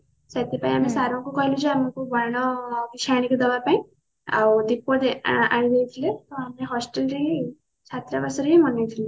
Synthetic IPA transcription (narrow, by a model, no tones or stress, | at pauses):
sat̪ʰipaĩɦamesaɾɔ̃kukɔɦilud͡zɔamɔ̃kubɔɽɽ̃ɔbit͡ʃʰaaɽ̃ikɔd̪ɔbapaĩ | a̰wd̪ipːɔd̪eaɽ̃ĩd̪ejt̪ʰilet̪ɔameɦɔsʈelɾe | t͡sʰat̪ɾabasɔɾeɦimɔnajt̪ʰile